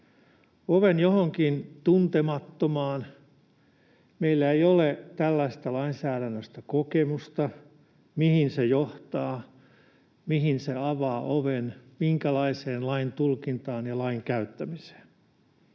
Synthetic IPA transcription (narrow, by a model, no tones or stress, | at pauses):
oʋenjohoŋkint̪unt̪emɑt̪ːomɑːn | meilːæeijolet̪ælːæist̪ɑlɑinsæːɾænːøst̪ɑkokemust̪ɑ | mihinsejoht̪ɑː | mihinseɑʋɑːʔoʋenmiŋkælɑiseːnlɑint̪ulkint̪ɑːnjɑlɑiŋkæyt̪ːæmise̥ːn